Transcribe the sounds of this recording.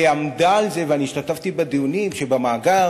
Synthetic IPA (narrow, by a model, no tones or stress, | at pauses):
amd̪aːlzeveaniːʃtat̪aft̪ibed̪iunimʃebamaːɡa